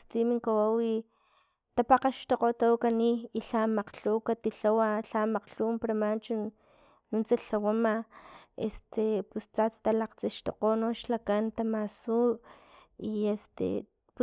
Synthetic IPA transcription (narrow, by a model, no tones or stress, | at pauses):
st̪imiŋkawawi | t̪apaqaʃt̪oqot̪awkaniːɬamaqɬukat̪iɬawaɬamaqɬuːmpaɾamant͡ʃun | nunt͡saɬawamaḛst̪epust͡sat͡st̪alaqt͡siʃt̪o̰qonoʃlakant̪amasuʔiest̪ḛ | p